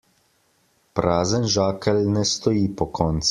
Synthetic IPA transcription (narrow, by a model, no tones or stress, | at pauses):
pɾaːzənʒaːkɛlnɛst̪ɔjiːpɔkɔːnt̪s